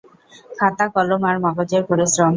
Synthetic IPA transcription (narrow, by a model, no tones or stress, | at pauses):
kʰat̪akɔlomaɾmɔɡod͡ʑeɾpoɾisɾɔm